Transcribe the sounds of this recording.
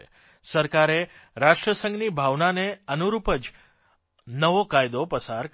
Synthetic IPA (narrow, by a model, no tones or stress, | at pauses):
səɾkaɾeɾaʃʈɾəsə̃ŋɡnibʱaʋnaneənuɾupəd͡ʒ | nəʋokajd̪opəsaɾk